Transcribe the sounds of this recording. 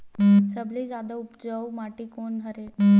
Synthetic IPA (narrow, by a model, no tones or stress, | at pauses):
səbliːd͡zad̪əupd͡zəwmaʈiːkonɦəɾe